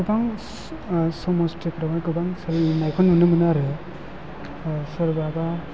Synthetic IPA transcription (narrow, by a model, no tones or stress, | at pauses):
ɡɯbaŋ | sɔmɔstekɾɔmajkɯbaŋsɯɾinajkʰɔnmɯnɯmɯnɯaɾɯ | sɯɾbaba